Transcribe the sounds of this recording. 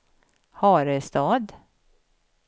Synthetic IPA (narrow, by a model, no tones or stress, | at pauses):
hɑːɾɛst̪ɑːd̪